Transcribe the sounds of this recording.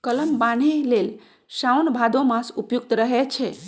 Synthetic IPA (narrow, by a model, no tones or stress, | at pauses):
kələmbanelel | ʃawnbʱad̪omãsupjuk̚t̪ɾəɦet͡ʃʰe